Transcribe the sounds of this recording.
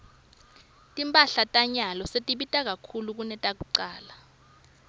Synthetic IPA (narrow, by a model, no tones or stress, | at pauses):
tʼimpʼaɬatʼaɲalɔsetʼiɓitʼak̬akʰuluk̬unɛtʼak̬uǀaːla